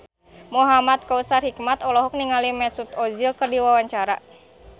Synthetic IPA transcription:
muɦamat̪̚kausarhik̚mat̪ɔlɔɦɔk̚niŋalimɛsut̪ɔzilkɨrdiwawaɲt͡ʃaɾa̰

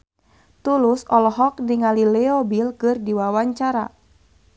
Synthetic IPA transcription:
t̪ulusɔlɔɦɔk̚diŋalilɛɔbilkɨrdiwawaɲt͡ʃaɾa

